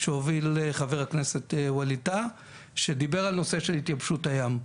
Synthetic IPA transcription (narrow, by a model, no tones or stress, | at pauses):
ʃeovileχaveʁhakneset̪walita | ʃed̪ibeʁalno̞seʃelhit̪jabʃutajam